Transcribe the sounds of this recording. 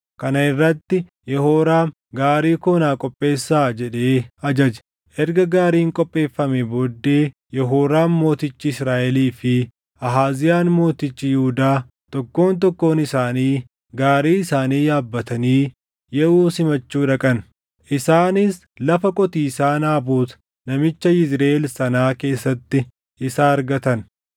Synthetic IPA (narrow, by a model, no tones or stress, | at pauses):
kɐnɐɪrːɐt̪ːɪ | jɛhoːɾaː | ɡaːɾiːkoːnaːkʼɔpʼːe̞ːsːaːd͡ʒɛᶑe̞ːɐd͡ʒɐd͡ʒɛ̥ | ʔɛɾɡɐɡaːɾiːŋkʼɔpʼːe̞ːfːɐmɛboːd̪ːe̞ːjɛɦoːɾaːnmo̞ːt̪ɪt͡ʃːɪɪsɾaːʔɛliːfɪ | ʔɐɦaːzɪjaːnmo̞ːt̪ɪt͡ʃːɪjʊhʊd̪aː | t̪ɔkːo̞ːnt̪̬ɔkːo̞ːnɪsaːniː | ɡaːɾiːɪsaːniːjaːbːɐt̪ɐniː | jɛʔuːsɪmɐt͡ʃːuːᶑɐkʼɐn | ʔɪsaːnɪs | lɐfɐkʼɔt̪iːsaːnaːbuːt̪ | nɐmɪt͡ʃːɐjɪzɾe̞ːlsɐnaːke̞ːsːɐt̪ːɪ | ʔɪsaːɐɾɡɐt̪ɐn